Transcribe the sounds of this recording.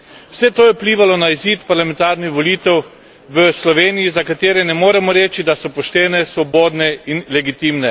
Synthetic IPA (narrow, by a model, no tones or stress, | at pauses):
w̥sɛt̪oːjɛupliːʋalɔnaiziːt̪paɾlamɛ̃nt̪aːɾnixʋɔliːt̪ɛw | ʋəslɔʋeːnijizakat̪eːɾɛnɛmoːɾɛmɔɾɛːt͡ʃid̪asɔpɔʃt̪ɛːnɛsʋɔboːd̪nɛinlɛɡit̪imnɛ